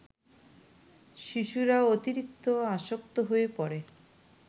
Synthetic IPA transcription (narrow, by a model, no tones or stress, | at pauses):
ʃiʃuɾaot̪iɾik̚t̪oaʃokt̪oɦoepɔɾe